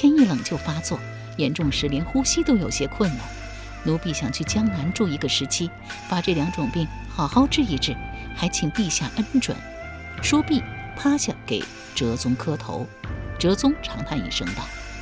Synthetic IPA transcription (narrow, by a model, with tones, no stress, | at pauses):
t̪ʰjɛ˥ni˥˩lɤ˨˩ŋt͡ɕjo˥˩ʊfa˥t͡swɔ˥˩ | jɛ˧˥nʈ͡ʂʊ˥˩ŋʂɻ̩˧˥ljɛ˧˥nxu˥ɕi˥t̪o˥ʊjo˨˩ʊɕjɛ˥kʰwə˥˩nla̰˨˧˦n | nu˧˥pi˥˩ɕjɑ˨˩ŋt͡ɕʰy˥˩t͡ɕjɑ˥ŋna˧˥nʈ͡ʂu˥˩i˧˥ɡə˧ʂɻ̩˧˥t͡ɕʰi˥ | pa˨˩ʈ͡ʂɤ˥˩ljɑ˧˥ŋʈ͡ʂʊ˨˩ŋpi˥˩ŋ | xɑ˨˩ʊxɑ˥˧ʊʈ͡ʂɻ̩˥˧i˥˧ʈ͡ʂɻ̩˥˩xa˧˥ɪt͡ɕʰi˨˩ŋpi˥˧ɕja˥˩ʔə˥nʈ͡ʂwə̰˨˩˦n | ʂwɔ˥pi˥˩pʰa˥ɕja˥˩kḛ˨˩ɪ | ʈ͡ʂɤ˧˥t͡sʊ˥ŋkʰɤ˥t̪ʰo̰˧˥ʊʈ͡ʂɤ˧˥t͡sʊ˥ŋʈ͡ʂʰɑ˧˥ŋt̪ʰa˥˧nḭ˨˩ʂɤ˥ŋt̪ɑ˩